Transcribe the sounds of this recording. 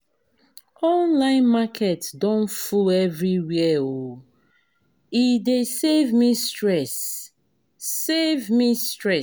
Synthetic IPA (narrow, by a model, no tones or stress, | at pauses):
ɔ̃nlãɪ̃nmakʰɛtdɔ̃nfuɛvɹiwiɛo | idesevmistɹɛs | evmistɹɛ